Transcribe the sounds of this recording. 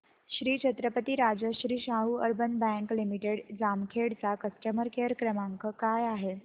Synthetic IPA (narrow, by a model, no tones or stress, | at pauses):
ɕɾiːt͡ɕʰət̪ɾəpət̪iːɾad͡zəɕɾiːɕaɦuəɾbənbɛ̃ŋklimiʈeɽd͡zamkʰeɽt͡sakəsʈəməɾkeɾkɾəmaŋkəkajaɦe